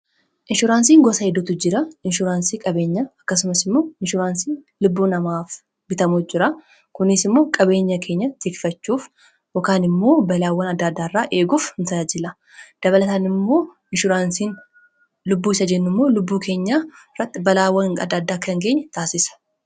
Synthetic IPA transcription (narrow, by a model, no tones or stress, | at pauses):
ʔɪnʃʊɾaːnsiːŋɡɔsɐhɛd̪ːʊt̪ʊd͡ʒɪɾɐʔɪnʃʊɾaːnsiːkʼɐbe̞ːɲːɐɐkːɐsʊmɐsɪmːo̞ːɪnʃʊɾaːnsiːn | lʊbːuːnɐmaːf | bɪt̪ɐmuːd͡ʒɪɾɐ | kʊnɪsɪmːo̞ːkʼɐbe̞ːɲːɐkʰe̞ːɲːɐt̪ɪkɪfɐt͡ʃːuːf | jɔkaːnɪmːo̞ːbɐlaːwːɐnɐd̪ːaːd̪ːaːrːaːʔe̞ːɡuːfhɪnsɐd͡ʒɪlɐ | d̪̥ɐβɐlɐt̪aːnɪmːo̞ː | ɪnʃʊɾaːnsiːn | lʊbːuːɪsɐd͡ʒɛnːʊmːo̞ːlʊbːuːkʰe̞ːɲːaːɾɐt̪ʼːɪbɐlaːwːɐɐ̰d̪aːd̪ːaːkːɐŋɡe̞ːɲːɐt̪aːsɪsɐ̥